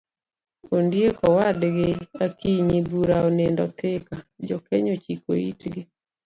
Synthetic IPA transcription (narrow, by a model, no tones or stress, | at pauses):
ondjekɔwadɡeakiɲibuɾaonendɔt̪ɪkad͡ʒɔkɛɲot͡ʃikoḭtɡe